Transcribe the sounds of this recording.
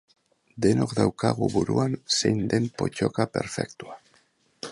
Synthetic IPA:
d̪e̞no̞kd̪awkaɣ̞uβuɾuanse̞jnd̪e̞mpo̞̰t͡ʃo̞kape̞ɾfe̞kt̪ua

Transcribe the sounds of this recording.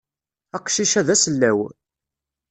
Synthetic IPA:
æqʃiʃæðæsəlːæw

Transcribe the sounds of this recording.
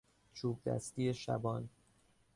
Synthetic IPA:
t͡ʃʰuːb̚d̪æ̰st̪iːjeʃæ̰bɒːn

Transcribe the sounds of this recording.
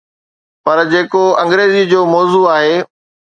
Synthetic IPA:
pɐɾd͡ʑeːkoɐ̃ŋɡɾeːzid͡ʑoːmɔːzuaːɦeː

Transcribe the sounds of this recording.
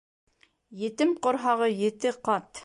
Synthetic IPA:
jĕt̪ɪmqŏɾɦɑʁɤjĕt̪ɘqɑt̪

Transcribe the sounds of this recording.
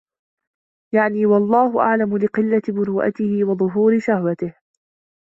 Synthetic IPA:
jaʕniːwɑlˤːɑːhʊʔa̰ʕlamʊlɪqɪlːabʊɾuːʔa̰t̪ɪhɪwɑðˤʊɦuːɾɪʃahwat̪ɪh

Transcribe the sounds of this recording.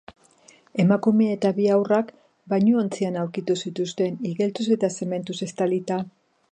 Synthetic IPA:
e̞makume̞ːt̪aβiawrak | baɲuont͡sianawɾkit̪usit̪ust̪e̞niɣe̞lt͡s̪use̞t̪ase̞me̞nt̪use̞st̪alit̪a

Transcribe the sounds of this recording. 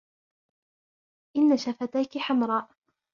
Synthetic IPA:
ʔɪnːaʃafat̪ajkɪħamɾˤɑːʔ

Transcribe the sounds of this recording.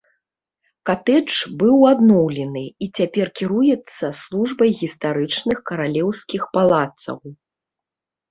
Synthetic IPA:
kat̪ɛt͡ʂbɨwad̪nɔwlʲɛnɨit͡sʲapʲɛrkʲiɾujɛt̪sːɐslˠuʐbɐjɣʲist̪aɾɨt͡ʂnɨxkɐɾalʲɛwskʲixpalˠat̪sɐ̰w

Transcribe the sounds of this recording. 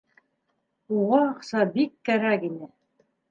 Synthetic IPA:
uʁɑːqsɑbikːæɾækinɘ

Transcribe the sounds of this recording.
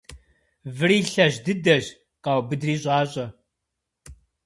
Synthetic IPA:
vɨriːɬɐʑdɨdɐʒ | qɐwbɨdriːɕʼɑːɕʼɐ

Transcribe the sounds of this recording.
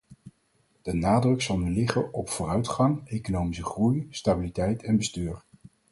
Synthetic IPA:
d̥ənaːdrɵksɑlˠnylɪχənʔɔpfʊːrœɥtχɑŋejkonowmisəχrujstabilitɛjtʰɛnbəstyːɹ

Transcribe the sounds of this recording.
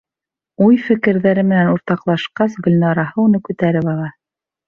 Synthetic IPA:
ujfɘ̆kɘ̆ɾðæɾɘmɘ̆nænuɾt̪ɑqlˠɑʃqɑsɡɵ̆lʲnɑɾɑhɤunɤkʉt̪æɾɘβɑlˠɑ

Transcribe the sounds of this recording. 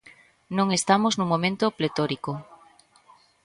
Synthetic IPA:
nõŋest̪amoznũmõmẽnt̪oplet̪oɾiko

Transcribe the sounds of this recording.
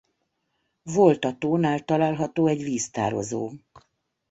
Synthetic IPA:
volt̪ɒt̪oːnaːlt̪ɒlaːlɦɒt̪oːɛɟviːst̪a̰ːɾo̞̰zo̰ː

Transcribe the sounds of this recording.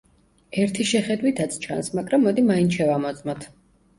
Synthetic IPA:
ɛɾt̪ʰiʃɛχɛd̪wit̪ʰat̪sʰt͡ʃʰa̰nsmaɡɾamːɔd̪imainʃɛvamɔt̪zʼmɔt̪ʰ

